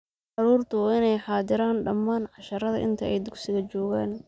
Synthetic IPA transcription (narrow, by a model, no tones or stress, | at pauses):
ʕɑɾuːrt̪ʰʊwɑːɪnɛjħɑːd̪ɪɾaːnɖɐmːaːnʕɑʃɐɾɐðɐʔɪ̰nt̪ʰɐɛjd̪ʊksɪɣɐt͡ʃɔːɣaːn